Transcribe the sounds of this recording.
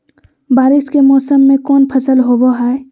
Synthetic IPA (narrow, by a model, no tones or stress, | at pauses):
baːɾɪskemɔːsəmːẽkɔːnpʰəsəlɦoboɦaːe